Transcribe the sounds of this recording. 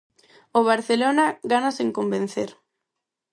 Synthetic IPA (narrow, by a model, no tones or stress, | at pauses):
oβ̞aɾθelonaɣanaseŋkombẽn̟θeɾ